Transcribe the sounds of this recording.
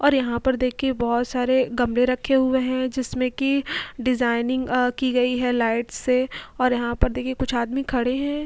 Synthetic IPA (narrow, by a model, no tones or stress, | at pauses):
ɔːɾjɐɦãpɐɾd̪eːkʰiebɔɦʊt̪saːɾeɡɐmleɾɐkʰːeɦʊeɦɛ̃d͡ʒɪsmẽkiɖɪzaːɪnɪ̃ŋɡkiɡɐiɦɛlaːɪʈsːeɔːɾjɐɦãpɐɾd̪eːkʰiekʊt͡ʃʰaːd̪mikʰɐɽeɦɛ̃ː